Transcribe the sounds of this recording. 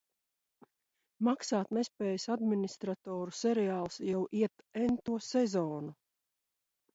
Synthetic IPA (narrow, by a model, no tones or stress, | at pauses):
maksaːt̪nespʲɛːjəsad̪minist̪ɾat̪ɔːɾusɛɾɛaːlˠsjawiɛt̪ɛnt̪uɔsɛzɔːnu